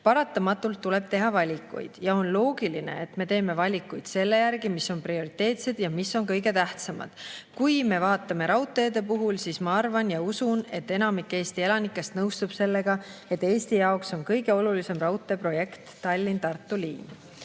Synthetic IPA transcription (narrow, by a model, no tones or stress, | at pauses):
pɑɾɑt̪ːˑɑmɑt̪ːˑult̪ːule̞b̥t̪e̞ɦɑvɑlʲikːˑṵjd̪̥jɑo̞nlo̞ːɡiline̞̰et̪me̞t̪e̞ːme̞vɑlʲikːujd̪̥se̞lːe̞jærɡimiso̞nprio̞ɾit̪ːe̞ːt̪se̞d̪̥jɑmisːo̞nkɤjɡe̞t̪æht̪sɑmɑ̰d̪̥kujme̞vɑːt̪ːˑɑme̞ɾɑwt̪ːˑeɑd̪e̞puɦulsiːsmɑɑrvɑnjɑusune̞t̪ːe̞nɑmikːˑe̞ːst̪ie̞lɑnikːˑe̞st̪nɤwst̪ub̥se̞lːe̞ɡ̥ɑe̞t̪ːˑe̞ːst̪ijɑokso̞nkɤjɡe̞o̞lulise̞mrɑwt̪ːˑe̞pro̞je̞kt̪ːɑlʲːint̪ɑrt̪ːˑuliːn